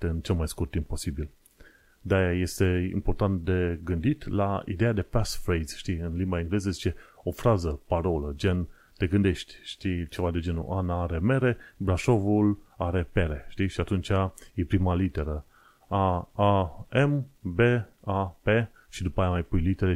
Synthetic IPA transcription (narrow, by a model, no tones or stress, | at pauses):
t̪eɨnt͡ʃe̞lmajskurt̪ːimp̚po̞sibil | d̪ajaje̞st̪e̞ḭmpo̞rt̪ant̪̚d̪e̞ɡɨnd̪it̪laḭd̪e̞jad̪e̞pasfɾejz̥ʃt̪iɨnlimbaeŋɡle̞zəzit͡ʃe̞o̞fɾazəpaɾo̞ləd͡ʒe̞n | t̪e̞ɡɨnd̪e̞ʃt̪ʲʃt̪it͡ʃe̞vad̪e̞d͡ʒe̞nṵʔanaaɾe̞me̞ɾe̞bɾaʃo̞vulaɾe̞peɾe̞ʃt̪iʃiat̪unt͡ʃajepɾimalit̪e̞ɾə | aaembe̞ape | ʃid̪upəajamajpujlit̪eɾe